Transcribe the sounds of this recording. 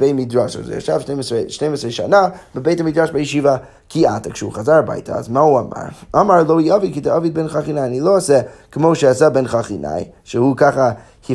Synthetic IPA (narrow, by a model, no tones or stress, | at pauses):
b̥emidɹɔʃa̰zḛa̰ʃav̥ʃneɪmseʃneɪmɪsɹeɪʃa̰nabəbeɪtamidɹɔʃbajiʃiva | kʰiatɪkʃṵχazaɾba̰ɪtʰa̰a̰zmahuama̰ɹɔmaɹlˠoʊiɔvikidəɔvid̚bɛnχaχinaɪjanilˠoʊasɛkʰəmoʊʃɛasabɛnχaχina̰jʃɛhukʰaχa | hi